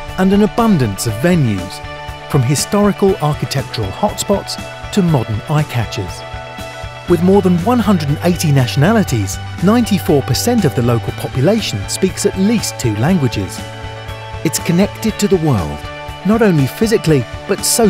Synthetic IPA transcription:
ə̃nɨ̃nəbʌ̃ndɨ̃nsʌvɛ̃njʉ̰z̥ | fɹʌ̃mɪstɑɹɨkəlˠɑɹkɨtʰɛk̚t͡ʃə˞əl̩ˠhɑtspɑts | tʰɨmɑdə˞naɪkʰæt͡ʃɪ̰z̥ | wɨðmɔɹðə̃nwʌ̃nɦʌ̃ndɹəd̃n̩eɪɾinæʃɨnælˠəɾiz | nãɪ̃ntifɔɹpʰə˞sɛ̃ntʌvðəloʊkəl̩ˠpʰɑpjɨleɪʃn̩spiksɨtˡlistʰʉlæ̃ŋɡwɨd͡ʒɪ̰z̥ | ɨtskʰɨnɛk̚tɨd̚tʰɨðəwɜ̰˞lˠd | nəɾõʊ̃nlifɪzɨklib̥ʌtsoʊ

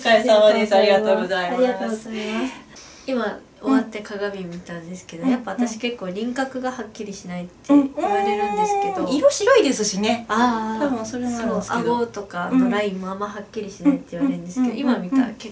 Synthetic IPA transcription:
kaesãad̪esaɾʲiɡat̪oːɡozaimiamaszaimas | ima | o̞βat̪ːe̞kaɡabʲimʲit̪ãnd̪e̞sɨ̥ke̞d̪ojapːaβat̪asɕi̥ke̞kːoːɾʲĩŋkakɯ̟ɡahakʲːiɾʲiɕinait̪ːeiβaɾe̞ɾɯ̟̃nd̪e̞sɨ̥ke̞d̪o̞iɾoɕiɾoid̪e̞sɨɕineaosoɾeonoaɡ̪ot̪o̞kaoɾaĩmːoamːahakʲːiɾʲiɕinait̪ːeiβaɾeɯ̃nd̪e̞sked̪oimamʲik̪a̰ke

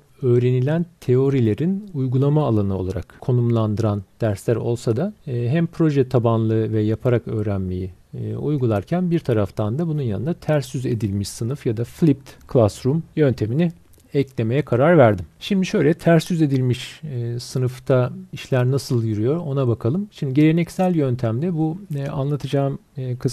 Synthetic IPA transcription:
ø̞ːɾe̞nilʲænt̪ʰe̞o̞ɾilʲe̞ɾinujɡulˠamaːlˠanɯo̞lˠaɾa̰kkʰo̞numlˠand̪ɯɾand̪̥æɾslʲæɾo̞̰lˠsad̪aɦæmpʰɾo̞ʒɛt̪ʰabanlˠɯvɛjapʰaɾakø̞ːɾænme̞̰jiujɡulˠaɾcʰænbiɾt̪ʰaɾaft̪ʰand̪abununjanɯnd̪at̪ʰæɾsːyze̞̰d̪ilʲmiʃsɯnɯfjad̪aflʲip̚t̪kʰlˠasɾumjø̞nt̪ʰe̞mini | ɛclʲe̞me̞jɛkʰaɾaɾvæɾd̪imʃimd̪iʃø̞jlʲɛt̪ʰæɾsːyze̞d̪ilʲmiʃsɯnɯft̪ʰaiʃlʲæɾnasɯlˠjyɾyjo̞ɾo̞nabakʰalˠɯmʃimd̪iɟe̞ɾenɛcsælʲjønt̪ʰæmd̪ɛbua̰nlˠat̪ʰɯd͡ʒaːmkʰɯs

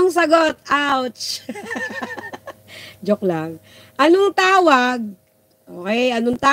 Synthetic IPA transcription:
ŋsɐɡot̪ʔawtt͡ʃ | d͡ʒoklaŋ | ʔɐnoŋt̪aːwaɡ̚ | ʔoːkɛjʔɐnʊŋt̪aː

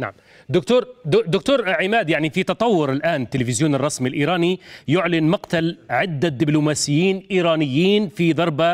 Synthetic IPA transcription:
na̰ʕm | d̪ʊkt̪uːɾd̪ʊd̪ʊkt̪uːɾʕɪmaːd̪jaʕnifit̪ɑt̪ˤɑwːʊɾɪlʔaːnɪt̪ːɪlɪfɪzjuːnɑrˤːɑsmilʔiːɾɑːnijʊʕlɪnmaqt̪alʕɪd̪ːad̪ɪblumaːsɪjːiːnʔiːɾɑːnɪjːiːnfid̪ˤɑɾˤba

